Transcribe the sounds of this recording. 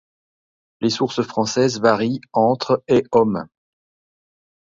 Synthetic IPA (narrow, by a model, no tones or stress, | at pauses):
lesuʁsəfχɑ̃sɛzvaʁiɑ̃t̪χeɔm